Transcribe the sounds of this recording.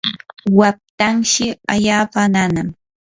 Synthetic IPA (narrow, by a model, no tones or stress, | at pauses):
wap̚t̪aŋʃɪaʎaːpananam